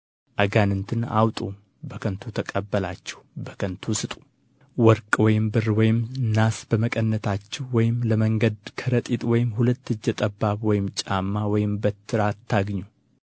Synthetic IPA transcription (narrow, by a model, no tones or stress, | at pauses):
ʔaɡanɨnt̪ʰɨna̰wt̪ʼu | bəkʰənt̪ʰut̪ʰəkʼəbːəlat͡ʃːɛ̥hbəkʰənt̪ʰusɨt̪ʼu̥ | wɔɾkʼwɔjɪmbɨrwɔjɪmnasb̥əməkʼənːət̪ʰat͡ʃːɛhwɔjɪmləməŋɡəd̪kʰəɾət̪ʼit̪ʼwɔjɪmhulət̪ːɨd͡ʒːɛt̪ʼəbːaβwɔjɪmt͡ʃʼamːawɔjɪmbət̪ʰːɨɾat̪ʰːaɡɲːu